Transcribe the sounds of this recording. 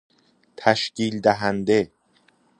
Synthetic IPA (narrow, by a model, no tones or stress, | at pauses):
t̪ʰæʃciːld̪æɦænd̪e